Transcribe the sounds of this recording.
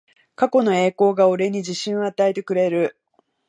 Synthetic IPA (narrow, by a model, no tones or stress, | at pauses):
kako̞no̞e̞ːko̞ːɡaoɾe̞ɲ̟id͡ʑiɕĩɰ̃oat̪ae̞t̪e̞kɯ̟ɾe̞ɾɯ̟